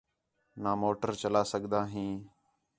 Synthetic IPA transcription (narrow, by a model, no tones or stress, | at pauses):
naːmoːʈəɾt͡ʃəlaːsəɠd̪aːɦĩː